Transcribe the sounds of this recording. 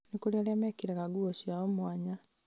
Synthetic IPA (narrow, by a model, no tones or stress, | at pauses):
nikoɾialjamɛkiɾɛɣaɡuosiaɔmwaɲa